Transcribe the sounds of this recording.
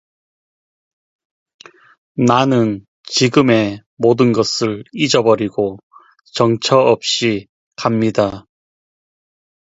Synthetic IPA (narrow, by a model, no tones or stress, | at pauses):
nanɯn | t͡ɕiɡɯme̞ | modɯnɡʌsʰɯɭid͡ʑʌbʌɾiɡo | t͡ɕʌŋt͡ɕʰʌʌp̚ɕ͈i | kamɲida